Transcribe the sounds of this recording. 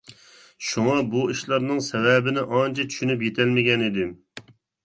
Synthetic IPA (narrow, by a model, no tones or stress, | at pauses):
ʃuŋɑbuiʃlˠɑɾnɨŋsɛwɛbɪnɪʔɑnt͡ʃʰɛtt͡ʃʰy̥ʃynypjet̪ʰɛlmɪɡʲɛnid̪ɪ